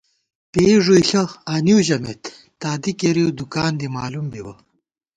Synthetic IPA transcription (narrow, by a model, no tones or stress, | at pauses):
peːʐuiɬɐaniwʑɐmḛt̪ː | aːd̪ikeɾiwd̪ukaːnd̪imaːlumbiwɐ̰